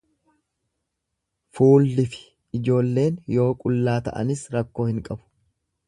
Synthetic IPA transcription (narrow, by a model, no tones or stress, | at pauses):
fuːlːɪfɪ̥ | ɪd͡ʒo̞ːlːe̞ːnjo̞ːkʼʊlːaːt̪ɐ̰ʔɐ̰nɪsɾɐkːo̞ːhɪŋkʼɐbʊ̥